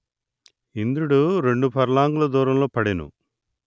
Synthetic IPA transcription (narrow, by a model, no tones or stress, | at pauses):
ind̪ɾuɽuɾe̞ɳɖupʰɐɾlaːŋɡulɐd̪uːɾɐmlo̞ːpɐɽinṵ